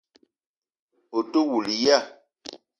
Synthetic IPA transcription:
o˨to˦wu˨li˨ja˦˨

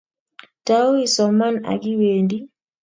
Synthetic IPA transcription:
tao˦isɔ˨ma˦na̰˨ɡi˦weːndi˦

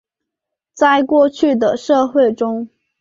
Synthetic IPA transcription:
t͡sa˥˧ɪkwɔ˥˧t͡ɕʰy˥˩d̪ə˩ʂɤ˥˧xwe˥˩ɪʈ͡ʂʊ˥ŋ

